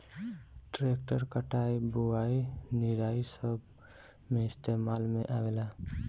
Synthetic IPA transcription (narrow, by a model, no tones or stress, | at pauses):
ʈɾek̚ʈəɾkəʈajbuainiɾaisəb | meɪst̪emalmeʔawela